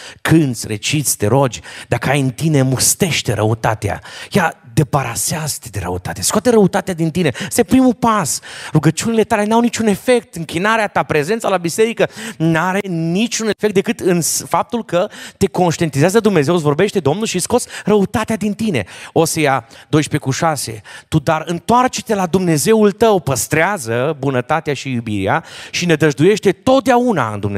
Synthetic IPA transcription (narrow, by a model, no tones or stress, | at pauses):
kʰɨnt̪sʲret͡ʃit̪sʲt̪e̞ɾo̞d͡ʒʲd̪akəajɨnt̪ine̞must̪e̞ʃt̪eɾʔə̰ut̪at̪ea̰jad̪e̞paɾaseazət̪ed̪e̞ɾə̰ut̪at̪easkoat̪d̪eɾəut̪at̪ead̪int̪ine̞əst̪jepɾimupasruɡət͡ʃunile̞t̪ale̞nawnit͡ʃune̞fe̞k̚t̪ɨŋkʲinaɾeat̪apɾe̞ze̞nt̪salabise̞ɾikənaɾe̞nit͡ʃune̞fek̚t̪d̪e̞kɨt̪ɨnsfap̚t̪ulkət̪e̞ko̞nʃt̪ient̪izeazəd̪umne̞ze̞ws̬vo̞rbe̞ʃt̪e̞d̪o̞mnulʃisko̞t̪sʲrəut̪at̪ead̪int̪ine̞̰o̞sejad̪o̞jʃpe̞kuʃase̞̰t̪ud̪aɾɨnt̪oart͡ʃe̥t̪e̞lad̪umne̞ze̞ult̪əwpəst̪ɾeazəbunət̪at̪eaʃijubiɾḛa̰ʃinəd̪əʒd̪uje̞ʃt̪e̞t̪o̞t̪̚d̪eauna̰ɨ̰nd̪umne